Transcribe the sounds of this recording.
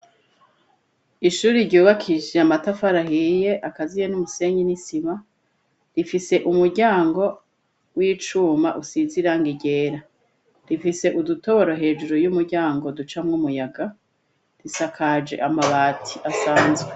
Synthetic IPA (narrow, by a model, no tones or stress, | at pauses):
iʃuːɾiɾɟuːβakʰiʒeamatafaɾahije̞ʔakazijenumuse̞ɲinisiβa | ɾifise̞ʔumuɾɟaːŋɡo̞ | wiːt͡ʃuːmaʔusiziɾaŋɡiɟe̞ːɾa | ɾifise̞ʔuduto̞βo̞ɾoɦe̞ːʒuɾojumuɾɟaːŋɡo̞dut͡ʃamŋumujaɡa | disakʰad͡ʒe̞̰ʔamaβaːtʰiʔasaːnzɡe